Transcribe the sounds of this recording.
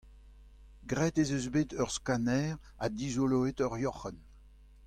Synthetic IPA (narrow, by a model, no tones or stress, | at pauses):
ɡʁɛt̪ezøzbeːt̪œʁskanɛːʁ | ad̪izoloet̪œʁjɔχɛn